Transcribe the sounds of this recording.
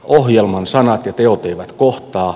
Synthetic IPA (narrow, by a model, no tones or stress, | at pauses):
ohjelmɑnsɑnɑt̪jɑt̪eot̪eiʋæt̪koht̪ɑː